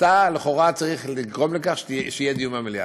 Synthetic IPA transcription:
t̪aleχo̞ʁat͡saʁiχliɡʁo̞mlekaχʃʃeijed̪ijumamilja̰

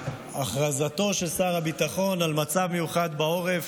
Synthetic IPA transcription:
aχʁazat̪o̞ʃe̞lsaʁhabit̪aχo̞nalmat͡savmejuχad̪bao̞ʁe̞v

